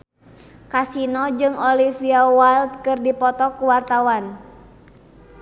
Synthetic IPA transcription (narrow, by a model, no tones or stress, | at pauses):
kasinɔd͡ʒɨŋɔlifiawalt̪̚kɨrdipɔt̪ɔkuwart̪awan